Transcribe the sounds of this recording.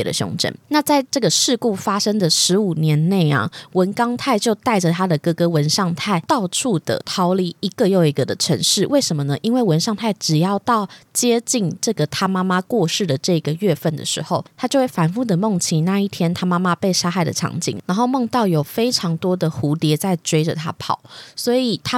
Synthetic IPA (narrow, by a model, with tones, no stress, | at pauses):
d̪ə̰˦ɕo̰˧˥ŋʈ͡ʂə̰˥˩nna˥˧t͡sa˥˧ɪʈ͡ʂɤ˥˩ɡə˩ʂɻ̩˥˧ku˥˩fa˥ʂə˥ŋd̪ə˨ʂɻ̩˧˥u˨˩njɛ˧˦˥nne˥˩ɪɐ̰˩wə˧˦˥nkɑ˥ŋt̪ʰa˥˧ɪt͡ɕjo˥˧ʊt̪a˥˩ɪʈ͡ʂə˨˩t̪ʰa˥d̪ə˨kɤ˧˥kɤ˥wə˧˦nʂɑ˥˧ŋt̪ʰa˥˩ɪt̪ɑ˥˧ʊʈ͡ʂʰu˥˩d̪̥ə̰˩t̪ʰɑ˧˥ʊli˧˥i˧˥ɡə˧jo˥˧˩ʊi˧˥ɡə˨d̪ə˨ʈ͡ʂʰə˧˥ŋʂɻ̩˥˩wʔe˥˩ɪʂə˧˥mə˧nə˦ʔi˥nwe˥˩ɪwə˧˦nʂɑ˥˧ŋt̪ʰa˥˩ɪʈ͡ʂɻ̩˨˩jɑ˥˧ʊt̪ɑ˥˩ʊt͡ɕjɛ˥t͡ɕi˥˧nʈ͡ʂɤ˥˩ɡə˩t̪ʰa˥ma˥ma˦kwɔ˥˧ʂɻ̩˥˩d̪ə˩ʈ͡ʂɤ˥˩i˧˦ɡə˨˩ɥɛ˥˧fə˥˩nd̪ə̰˨˩ʂɻ̩˧˥xo˥˩ʊt̪ʰa˥t͡ɕjo˥˧ʊxwe˥˩ɪfa˧˥nfu˥˩d̪ə˩mo˥˩ŋt͡ɕʰi˧˩na˥˧i˥˩t̪ʰjɛ˥nt̪ʰa˥ma˥ma˦pe˥˩ɪʂa˥xa˥˩ɪd̪ə̰˩ʈ͡ʂʰɑ̰˧˥ŋt͡ɕḭ˨˩ŋɻa˧˥nxo˥˧ʊmo˥˧ŋt̪ɑ˥˨˩ʊjo˨˩ʊfe˥ɪʈ͡ʂʰɑ˧˥ŋt̪wɔ˥d̪ə˨xu˧˥t̪jɛ˧˥t͡sa˥˩ɪʈ͡ʂwe˥ɪʈ͡ʂə̰˨t̪ʰa̰˥pʰɑ̰˨˩˦ʊswɔ˧˥i˨˩t̪ʰa˥